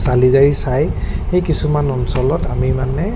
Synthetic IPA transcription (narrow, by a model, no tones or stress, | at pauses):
salizaɹisajxejkisumanɔnsɔlɔtamimanɛ